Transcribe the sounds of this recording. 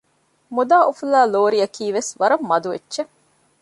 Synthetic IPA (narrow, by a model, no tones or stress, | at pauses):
mud̪aːʔufulaːloːɾijɐkiːʋesʋɐɾɐmːɐd̪uʋeːʃe